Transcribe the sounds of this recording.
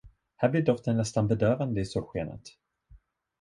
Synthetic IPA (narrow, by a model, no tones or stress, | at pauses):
hæːblɪɖɔft̪ənnɛst̪anbɛd̪øːɾand̪əɪsoːɧeːnə̰t̪